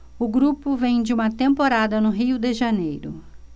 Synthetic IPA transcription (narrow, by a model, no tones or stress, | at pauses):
ʊɡɾupʊvẽj̃d͡ʒɪũmɐt̪ẽmpoɾad̪ɐnʊɦiʊd̪eʒɐnejɾʊ̰